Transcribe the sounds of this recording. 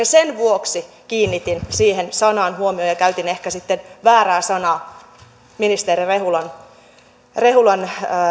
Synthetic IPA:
esenʋuoksi | kiːnːit̪insiːhensɑnɑːnhuomiojɑkæyt̪inehkæsit̪ːenʋæːɾæːsɑnɑː | minist̪eɾirehulɑn | rehulɑnː

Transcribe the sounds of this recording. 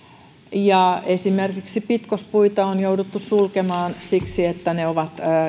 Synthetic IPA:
jɑesimerkiksipit̪kospuit̪ɑonjoudut̪ːussulkemɑːnsiksiet̪ːæneoʋɑt̪

